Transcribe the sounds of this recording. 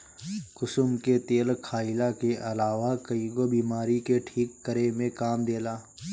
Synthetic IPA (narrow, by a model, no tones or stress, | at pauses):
kʊsʊmket̪eːlkʰaːɪlakeʔɐlaːʋakɐiɡobiːmaːɾikeʈʰiːkːəɾemẽkaːmd̪eːlaː